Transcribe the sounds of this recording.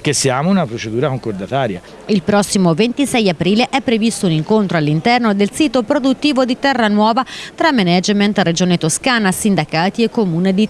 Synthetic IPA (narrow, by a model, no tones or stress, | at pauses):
k̟esːiaːmounapɾot͡ʃed̪uːɾakoŋkoɾd̪at̪aːɾja̰ | ilpɾɔsːimovent̪isɛjapɾiːleʔɛpːɾevist̪ouniŋkont̪ɾoalːint̪ɛrnod̪elsiːt̪opɾod̪ut̪ːiːvod̪it̪ɛrːanwɔːvat̪ɾamːenɛd͡ʒment̪red͡ʒoːnet̪oskaːnasind̪akaːt̪iekːomuːned̪i